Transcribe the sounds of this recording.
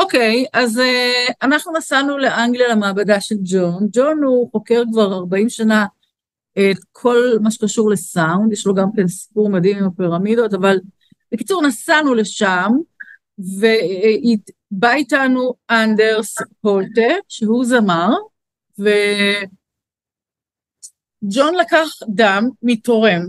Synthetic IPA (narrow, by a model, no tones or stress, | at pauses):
oke̞jʔazeanaχnunasanule̞ʔaŋɡlijalemaːbadaʃeld͡ʒond͡ʒo̞nuχo̞ke̞ʁkvaʁaʁbaimʃana | etkʰo̞lmaʃekaʃuʁle̞saundjeʃloɡamkensi̥puʁmadimimapiʁamido̞taval | b̥eki̥t͡suʁnasanule̞ʃam | ve̞i | baitanuande̞ʁspolteʃehuzamaʁ | ve | d͡ʒo̞nlakaχdamːito̞ʁe̞m